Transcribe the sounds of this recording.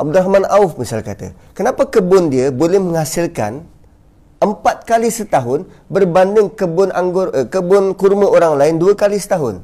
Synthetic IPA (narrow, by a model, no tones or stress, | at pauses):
ʔab̚duɾahmãnaʊfmisalka̰t̪a̰ | kənapakəbʊndiəbolɛhmə̃ŋhasɪlka̰n | əmpat̪̚kalisət̪aɦʊn | bərbandɪŋkəbʊnaŋɡʊrəkəbʊnkurmə̃ʔoɾaŋlaɪnduəkalisə̥t̪aɦʊn